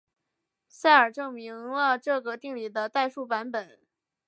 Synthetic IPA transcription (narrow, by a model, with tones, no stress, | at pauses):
sa˥˩ɪə˞˨˩ʈ͡ʂɤ˥˩ŋmi˧˥ŋlə˧ʈ͡ʂɤ˥˩ɡə˩t̪i˥˩ŋli˨˩d̪ə˦t̪a˥˧ɪʂu˥˩pa˧˥npə˨˩˦n